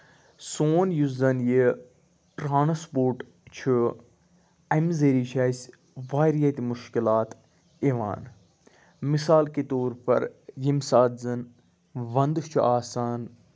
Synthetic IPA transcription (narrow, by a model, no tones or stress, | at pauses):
soːnjuzɐnje | ʈɾaːnɐspoːɾʈ | t͡ʃʰɨ | ɐmzeɾiːt͡ʃʰaːjsʲ | ʋaːɾijɐt̪imʊʃkilaːt̪ | eʋa̰ːn | misaːlket̪oːɾpɐ̰ɾjimsaːd̪zɐn | ʋɐnd̪t͡ʃʰuʔaːsaːn